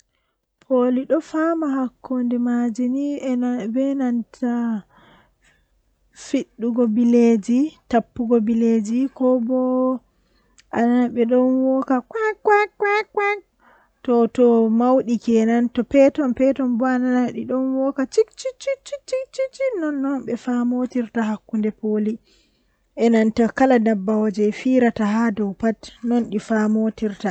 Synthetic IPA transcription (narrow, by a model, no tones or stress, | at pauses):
pʰoliɗɔfamaɦakʰːondɛmad͡ʒinibɛnantʰa | fiɗːuɡɔbiled͡ʒitapːuɡɔbiled͡ʒikɔbɔ | ʔananaɓɛɗɔnwɔkakwakːwakːwakwak | tɔtɔmawɗikɛɛnantɔpɛtɔnpɛtɔnbɔananaɗiɗɔnwɔkat͡ʃikt͡ʃit͡ʃit͡ʃit͡ʃikt͡ʃit͡ʃinɔnːɔnɓɛfamotiɾtaɦakːundɛpoli | ʔɛnantakaladabːawod͡ʒɛfiɾataɦadɔwpatnɔnɗifamotiɾta